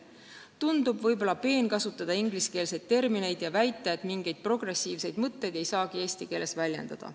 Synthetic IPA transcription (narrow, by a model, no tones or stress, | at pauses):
t̪und̪ubvɤjbo̞lɑpe̞ːnkɑsut̪ːˑɑd̪ɑiŋɡliske̞ːlse̞jd̪̥̚t̪e̞rmine̞jd̪jɑvæjt̪ːˑeet̪miŋɡ̥e̞jd̪̥̚pro̞ɡ̥re̞siːvse̞jd̪̥mɤt̪ːe̞jd̪e̞jsɑːkie̞ːsʲt̪ike̞ːlːe̞svælʲje̞̰nd̪̥ɑd̪̥ɑ̰